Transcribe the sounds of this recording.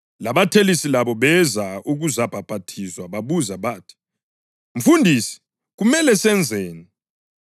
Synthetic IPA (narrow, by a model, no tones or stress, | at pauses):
laβatʰelisilaβɔβɛzauɣuzab̥ʱab̥ʱatʰiswaβaβuzaβaːtʰi̥ | ɱ̩fundʱiːsi̥ | ɣumɛlɛsɛnd͡zʱɛːni